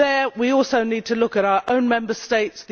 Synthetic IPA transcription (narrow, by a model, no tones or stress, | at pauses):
əwiɔˑlˠsəʊniːd̚tʰəlʊkəɾaʊəɹʔə̃ʊ̃nmɛ̃mbəsteɪtsði